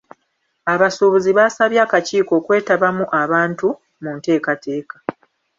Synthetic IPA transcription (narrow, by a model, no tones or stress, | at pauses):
aβasoβuziβasaβjaːkaciːko̞ːkwe̞ːtaβamuʔaβaːntu | munte̞ːkate̞ːkḁ